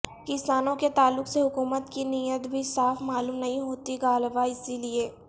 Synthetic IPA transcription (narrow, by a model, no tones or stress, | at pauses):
kɪsaːnõket̪aːlːʊkseɦʊkuːmət̪kinijət̪bʱisaːfmaːluːmnɐɦĩɦoːt̪iɡaːlʋaɪsilieː